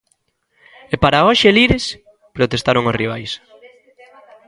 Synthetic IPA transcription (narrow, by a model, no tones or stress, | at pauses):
epaɾaoʃeliɾes | pɾot̪est̪aɾoŋosriβ̞ajs